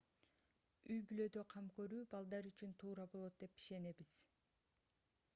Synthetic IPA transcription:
yjbylø̞d̪ø̞qʰɑmkø̞ɾyːbɑlˠd̪ɑɾyt͡ʃynt̪ʰuːɾɑbo̞lˠo̞t̪̚d̪e̞pi̥ʃe̞ne̞βiz̥

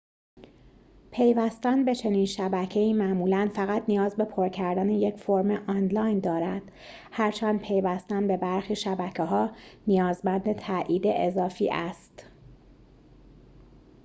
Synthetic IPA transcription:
pʰe̞jvæst̪ænbe̞t͡ʃʰe̞niːnʃæbæcʰe̞iːmæʔmuːlænfæɣæt̪nijɒːzbe̞pʰoɾcʰæɾd̪æneje̞cʰfoɾmeʔɒːnlɒːjnd̪ɒːɾæd̪̥ | hæɾt͡ʃʰænd̪̚pʰe̞jvæst̪ænbe̞bæɾxiːʃæbæcʰeɦɒːnijɒːzmbænd̪e̞t̪ʰæʔiːd̪e̞ʔezɒːfḭːʔæst̪

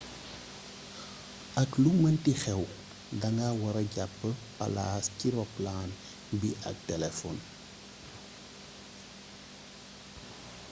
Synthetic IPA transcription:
ʔɐklumɐntixɛw | dɐŋɡawɐɾɐɟapːəpɐ̰la̰ːsciɾɔplaːn | biʔɐ̰k̚tɛlɛfɔn

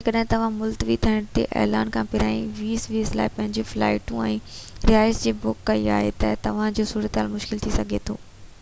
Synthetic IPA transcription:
ekɐɗɦɪ̃t̪ɐʋ̤ãmʊlt̪ʋit̪ʰiəɽ̃t̪ḛʔɛ̰ːlaːnkʰãːpɪɾaːĩʋiːsʋiːsla̰ːɪpɐ̃ɦɪɲd͡ʑifla̰ːɪʈũɛ̃ːɾɪaːɪsd͡ʑeːbʊkːɐia̰ːɦḛt̪ɐt̪ɐʋ̤ãd͡ʑoːsuːɾət̪ɦaːlmʊʃkɪlt̪ʰisɐɡʱet̪ʰo̰ː

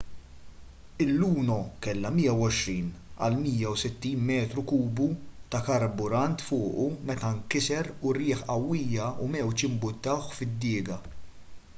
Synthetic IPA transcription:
ɪlːuːnɔkɛlːɐmiːjɐwɔʃɾiːnɐ̰lmiːjɐwsɪt̪ːiːnmɛːt̪ɾukuːbut̪ɐkɐɾbʊɾɐnt̪fʊːʔumɛt̪ɐŋkɪsɛɾuɾɪːħɐwːiːjɐumɛwt͡ʃjɪmbʊt̪ːɐwħfɪd̪ːɪːɡɐ

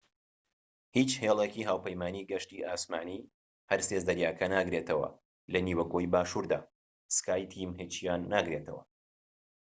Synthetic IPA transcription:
hit͡ʃheːlˠekiɦaːwpɐjmaːniːɡɐʃt̪iːʔaːsmaːni | hɐɾsezd̪ɐɾjaːkʰɐnaːɡɾet̪ʰɐwɐ̰ | lɐniːwɐkʰoːjbaːʃuɾd̪a̰ː | skaːjt̪ʰimɦit͡ʃjaːnːaːɡɾe̞t̪ʰɐ̰wɐ̰

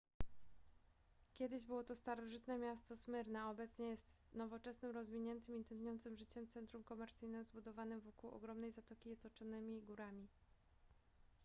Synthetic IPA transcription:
kʲɛd̪ɘʑbɘwɔt̪ɔst̪aɾɔʐɘt̪nɛmʲjast̪ɔsmɘɾnɛɔbɛt̪sɲɛjɛst̪nɔvɔt͡ʂɛsnɘmɾɔzvʲiɲɛnt̪ɘmint̪ɛnd̪ʲjɔnt̪sɘmʐɘt͡ɕɛmt̪sɛnt̪ɾumkɔmɛɾt̪sɘjnɘmzbud̪ɔvanɘmvɔkuwɔ̰ɡɾɔmnɛjzat̪ɔkʲijɛt̪ɔt͡ʂɔnɘmʲiɡuɾamʲi

